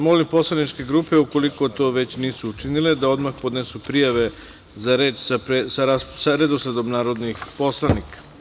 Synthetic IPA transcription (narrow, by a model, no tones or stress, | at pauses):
mo̞limpo̞slˠanit͡ʃke̞ɡɾuːpe̞uko̞liko̞t̪o̞ːʋe̞t͡ɕniːsuːt͡ʃinile̞d̪ao̞d̪maxpo̞d̪nesupɾijaʋe̞ | zaɾe̞ːt͡ʃsaɾasaɾed̪osled̪omnaːɾo̞d̪nixpo̞slˠanikḁ